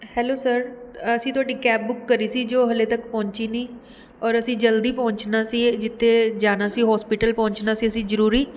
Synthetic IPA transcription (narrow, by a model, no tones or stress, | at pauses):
hɛːloːsəɾəsĩːt̪ʊaːɖiːkɛːp̚bʊkːəɾiːsiːd͡ʒoːɦəleːt̪əkpɔ̃ːɲt͡ʃiːniː | ɔːɾəsĩːd͡ʒəld̪iːpɔ̃ːɲt͡ʃnaːsiːd͡ʒɪt̪ʰːeːd͡ʒaːnaːsiːɦɔːspɪʈəlpɔ̃ːɲt͡ʃnaːsiːəsĩːzəɾuːɾiː